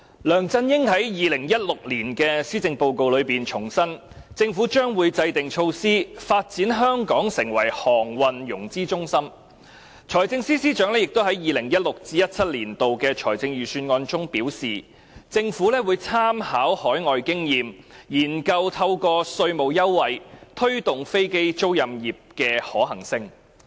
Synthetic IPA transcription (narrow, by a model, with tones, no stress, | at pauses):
lœː˨˩ŋt͡sɐ˧njɪ˥ŋɦɐ˨˥jjiː˨˧lɪ˨˩ŋjɐ˥t̚lʊ˨k̚liː˨˩nkɛː˧siː˥t͡sɪ˧ŋpo˧wko˨˧wlɵ˨˧ɥpiː˨˩nt͡ʃʰʊ˨˩ŋsɐ˥n | t͡sɪ˧ŋfuː˨˥t͡ʃœː˥ŋwuː˨˧jt͡sɐ˧jt̪ɪ˨ŋt͡ʃʰo˧wsiː˥faː˧t̚t͡siː˨˥nɦœː˥ŋkɔː˨˥ŋsɪ˨˩ŋwɐ˨˩jhɔː˨˩ŋwɐ˨njʊ˨˩ŋt͡siː˥t͡sʊ˥ŋsɐ˥m | t͡ʃʰɔː˨˩jt͡sɪ˧ŋsiː˥siː˥t͡ʃœː˨˥ŋlɛː˥jɪ˨k̚t̪wɦɐ˨˥jiː˨lɪ˨˩ŋjɐ˥t̚lʊ˨k̚t͡siː˥jɐ˥t̚t͡sʰɐ˥t̚liː˨˩nt̪o˨wkɛː˧t͡ʃʰɔː˨˩jt͡sɪ˧ŋjyː˨˩syː˧nŋɔː˧nt͡sʊ˥ŋpiː˨˥wsiː˨˩ | t͡sɪ˧ŋfuː˨˥lɛː˥wuː˨˧jt͡sʰaː˥mhaː˨˥whɔː˨˥jŋɔː˨jkɪ˥ŋjiː˨m | jiː˨˩nkɐ˧wt̪ʰɐ˧wkɔː˧sɵ˧ɥmo˨˩wjɐ˥wːɐ˨jt̪ʰɵ˥ɥt̪ʊ˨ŋfe˥jke˥jt͡ʃo˥wjɐ˨mjiː˨p̚kɛː˧hɔː˨˥ɦɐ˨˩ŋsɪ˧ŋ